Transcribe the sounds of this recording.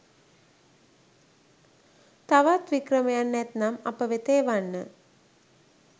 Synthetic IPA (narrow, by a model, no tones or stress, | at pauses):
t̪aʋat̪ʋikrəmejanːɛt̪namapəʋet̪ejʋanːə